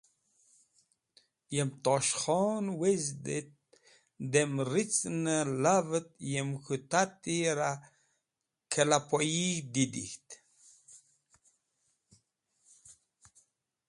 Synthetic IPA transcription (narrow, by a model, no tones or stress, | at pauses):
jemt̪oʃχɔnwezd̪et̪̚ | d̪emɾit͡snəlavət̪jemxut̪at̪iɾa | kʰəlapojid̪id̪ḭxt̪